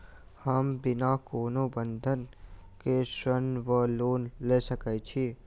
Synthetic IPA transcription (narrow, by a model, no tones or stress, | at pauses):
həmbɪnakoːnobə̃nd̪ʱənkesənʋəloːnlesəkɛt͡ʃʰi